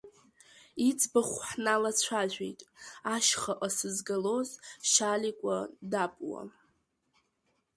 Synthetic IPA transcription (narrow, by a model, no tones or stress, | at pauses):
it͡sʼʰbaχʷħnalat͡ɕʷʰaʒᶣʷḛjtʼaʃχaʔʼasɨzɡalo̞zʃalikʷʼadapʼwa̰